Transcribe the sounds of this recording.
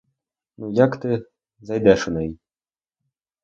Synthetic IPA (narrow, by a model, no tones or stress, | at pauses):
nujakt̪ɨ | zajd̪ʲɛʂɨnɛi